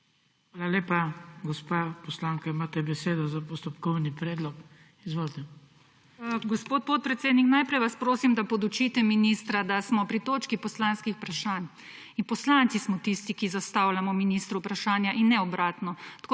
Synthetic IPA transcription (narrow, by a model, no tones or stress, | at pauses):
xʋaːlaleːpaɡɔspapɔslaŋkaimaːt̪ɛbɛseːd̪ɔzapɔst̪ɔpkɔwnipɾeːd̪lɔk | izʋoːlt̪ɛ | ɡɔspoːt̪̚pot̪̚pɾɛt̪seːd̪niknajpɾɛjʋaspɾoːsimd̪apɔd̪ut͡ʃit̪ɛminist̪ɾad̪asmɔpɾit̪oːt͡ʃkipɔslaːnskixpɾaʃaːn | inpɔslant̪sismɔt̪ist̪ikizast̪aːwlamɔminist̪ɾupɾaʃaːnjaʔinːɛɔbɾaːt̪nɔt̪ḁko